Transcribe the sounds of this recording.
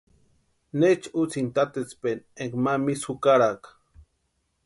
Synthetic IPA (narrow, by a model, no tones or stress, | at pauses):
net͡ʃut͡sint̪at̪et͡spenekmamisukaɾak